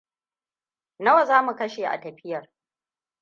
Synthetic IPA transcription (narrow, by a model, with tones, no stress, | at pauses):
nɐ˦wɐ˨zaː˦mu˨kɐ˦ʃeː˨ʔa̰˨tɐ˨ɸɪ˦jɐ˨r